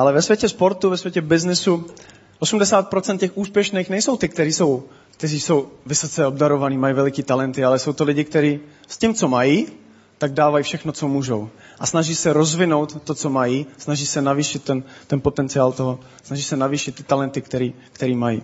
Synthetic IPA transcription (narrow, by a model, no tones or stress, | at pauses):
ʔalɛvɛsvjɛcɛspo̞ɾt̪uvɛsvjɛcɛbɪznɪsu | ʔosumdɛsaːt̪̚pɾot͡sɛnt̪cɛxʔuːspjɛʃnijxnɛjso̞wt̪ɪkt̪ɛɾiːso̞w | k̚t̪ɛriːso̞wvɪso̞t͡sɛo̞bdaɾo̞vaniːmajivɛlɪkiːt̪alɛnt̪ɪalɛso̞wt̪olɪɟɪkt̪ɛɾiː | scɪmt͡so̞majiː | t̪aɡ̚daːvajifʃɛxnot͡somuːʒow | ʔasnaʒiːsɛɾozvɪno̞wt̪ːot͡so̞majisnaʒiːsɛnaviːʃɪt̪ːɛnt̪ɛnpot̪ɛnt͡sɪaːlt̪oɦo | snaʒiːsɛnaviːʃɪt̪ːɪ̥t̪alɛnt̪ɪkt̪ɛɾiː | kt̪ɛɾiːmajḭ